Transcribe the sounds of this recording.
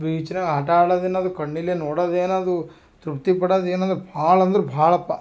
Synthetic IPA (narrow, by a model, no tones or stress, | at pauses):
biːt͡ʃinaːɡaːʈaːɽɐd̪eːnaːd̪ukɐɳːileːnɔːɽɐd̪eːnad̪u | t̪ɾupt̪ipɐɽɐd̪eːnɐnd̪ɾubʱaːɭɐnd̪ɐɾubʱaːɭɐpːa